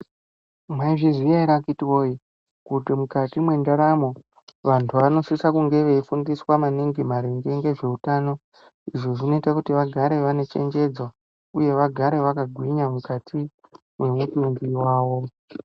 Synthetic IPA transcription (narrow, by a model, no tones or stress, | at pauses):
maiʐizijaiɾakitiwoi | kutimukatimwe̞ndaɾamo̞ | ʋantʰuʋano̞sisakuŋɡe̞ʋe̞ifundiswamaniŋɡimaɾiŋɡe̞ŋɡe̞ʐe̞utaːno̞ | iʐoʐino̞itakutiʋaɡʱaɾe̞ʋane̞t͡ʃe̞̰ɲd͡ʒe̞d͡zo | uje̞ʋaɡʱaɾe̞ʋakaɡʱwiɲamukatʰi | mwe̞mutuŋɡiwaːwo̞